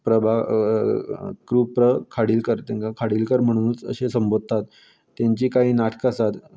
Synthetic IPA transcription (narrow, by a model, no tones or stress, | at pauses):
pɾəbʱa | kɾuːpɾəkʰaɽiːlkəɾt̪ɛ̃ŋkakʰaɽiːlkəɾm̤əɽ̃ũːt͡sə̰ɕesəmbʱod̪̚ʱt̪at̪ː | jãɲt͡ɕiːkaɦiːnaʈʰkəsat̪